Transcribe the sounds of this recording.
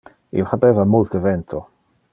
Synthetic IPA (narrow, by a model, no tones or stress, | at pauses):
ḭwχabɛvamʊltəvɛntʰɔ